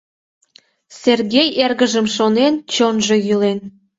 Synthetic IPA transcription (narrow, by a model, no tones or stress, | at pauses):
serɣejerɣəʒəmʃonent͡ɕonʒe̽jylen